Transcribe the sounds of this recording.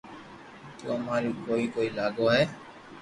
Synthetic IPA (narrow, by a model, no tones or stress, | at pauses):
t̪uamaɾikoikoilaɡoɦɛː